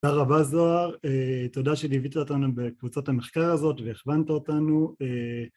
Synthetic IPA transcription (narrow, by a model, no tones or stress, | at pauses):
aʁabazo̞aʁetodaʃedivit̪aotanubekvut͡satameχkaʁazo̞tveeχvant̪aotanue